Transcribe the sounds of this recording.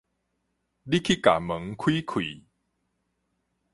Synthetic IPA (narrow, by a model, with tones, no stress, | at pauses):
di˦kʰi˦ka̰˨˩mə˨˦ŋkʰwiː˦kʰwḭ˨